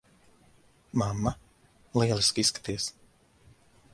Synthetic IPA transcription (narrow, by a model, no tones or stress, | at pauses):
mamːa | lˠiɛlˠiskisːkḁt̪iɛs